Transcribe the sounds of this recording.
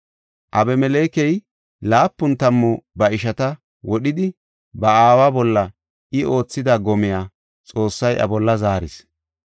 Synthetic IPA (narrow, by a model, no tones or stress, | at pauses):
ʔɐbɛmɛleːkɛj | laːpːʊnt̪ɐmːɔbɐɪʃɐt̪ɐ | wɔɗɪd̪ɪ | bɐaːwabɔlːɐ | ʔɪo̞ːt͡sːɪd̪aɡɔmɪjaː | t͡sʼo̞ːsːɐjʔɐ̰bɔlːɐzaːɾɪs